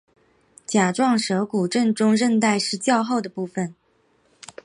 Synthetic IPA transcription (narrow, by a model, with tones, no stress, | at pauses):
t͡ɕja˨˩ʈ͡ʂwɑ˥˩ŋʂɤ˧˥ku˨˩ʈ͡ʂə˥˩nʈ͡ʂʊ˥ŋɻə˥˧nt̪a˥˧ɪʂɻ̩˥˧t͡ɕjɑ˥˧ʊxo˥˩ʊd̪ə˩pu˥˩fə˨˩n